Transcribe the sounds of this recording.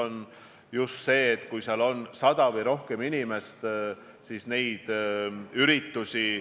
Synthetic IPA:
on | just̪se̞ːt̪ːˑkujsiɑlo̞nsɑd̪ɑvɤjɾo̞hke̞minime̞st̪ | sisne̞jd̪̥yɾit̪ːusi

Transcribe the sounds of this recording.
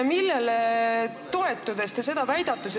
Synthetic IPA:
milːele | t̪o̞e̞t̪ˑːud̪̥e̞st̪ese̞d̪̥ɑvæjd̪̥ɑt̪ːˑes

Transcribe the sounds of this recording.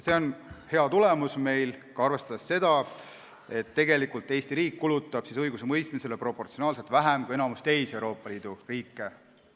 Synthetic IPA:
se̞o̞nhe̞ɑt̪ule̞musme̞jlkɑɑrve̞st̪ɑd̪esːe̞d̪̥ɑ | e̞t̪ːe̞ɡe̞likːˑult̪ːˑe̞jst̪iɾiːkːulut̪ˑːɑb̥sisɤjɡuse̞mɤjst̪mise̞le̞pro̞po̞rt̪sio̞nɑːlse̞t̪væɦæmkue̞nɑmust̪e̞jsewɾo̞ːpːˑɑliːd̪̥uriːkːˑe̞

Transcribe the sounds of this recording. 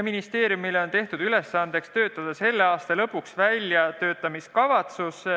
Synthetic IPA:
minist̪e̞ːɾjumileo̞nt̪e̞ht̪ud̪yle̞sːɑnd̪e̞kst̪ø̞ːt̪ːˑɑd̪̥ɑse̞lːeɑːst̪ɑlɤ̞pːˑuksvælʲjɑt̪ø̞ːt̪ːˑɑmiskɑvɑt̪sus

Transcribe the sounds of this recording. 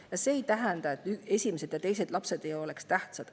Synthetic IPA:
jɑse̞ːjt̪æɦɛnd̪ɑet̪ːˑye̞sʲimese̞d̪jɑt̪e̞jse̞d̥̪lɑpse̞d̪e̞jo̞le̞kst̪æht̪sɑd̪̥

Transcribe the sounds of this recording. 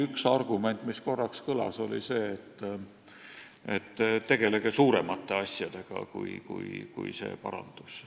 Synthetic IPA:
yksɑrɡ̥ume̞nt̪ːˑmisko̞rːɑkskɤlɑ̰so̞lḭse̞ːt̪ː | et̪ːt̪ːe̞ɡ̥e̞le̞ɡ̥esuːɾe̞mɑt̪ːˑe̞ɑsʲjɑd̪̥e̞ɡ̥ɑ̰kṵjkṵjkṵjse̞̰ːpɑ̰ɾɑ̰nd̪̥us

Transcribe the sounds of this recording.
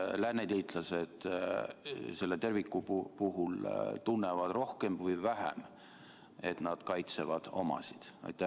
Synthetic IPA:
lænːet̪iːt̪ˑlɑsed̪̥ | se̞lːe̞t̪e̞rvikːˑupuɦult̪unːevɑd̪̥ro̞hke̞mvɤjvæɦæ̰m | e̞t̪nɑd̪̥kɑjt̪se̞vɑd̪̥o̞mɑ̰si̥d̪̥ɑ̰jt̪ːˑæh

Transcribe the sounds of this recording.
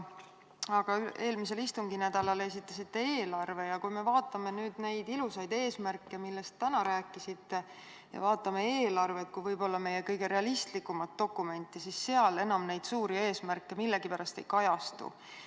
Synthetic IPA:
ɑɡ̥ɑye̞ːlmise̞list̪uŋɡ̥inæd̪̥ɑlɑle̞s̬it̪ˑːɑsit̪ːe̞e̞ːlɑrve̞jɑkujme̞vɑːt̪ːˑɑme̞nyːd̪̥ne̞jd̪ilusɑjd̪e̞ːsmærkːˑe̞milːe̞st̪ːænɑɾæːkːˑisit̪ːe̞ | jɑ̰vɑːt̪ːˑɑme̞eːlɑrve̞t̪̚kujvɤjbo̞lːɑme̞je̞kɤjɡ̥e̞ɾe̞ɑlist̪likːˑumɑt̪̚ːo̞kːˑume̞nʲt̪ːˑisisːe̞ɑle̞nɑmnejd̪̥suːɾie̞ːsmæɾrkːˑe̞milːe̞ɡ̥ipæɾɑst̪e̞jkɑjɑst̪ṵ

